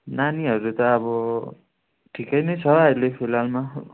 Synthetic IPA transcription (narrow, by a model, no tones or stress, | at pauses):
naniɦʌɾut̪ʌːbʌ | ʈʰikʌjnʌjt͡sʰʌʌjlepʰilalma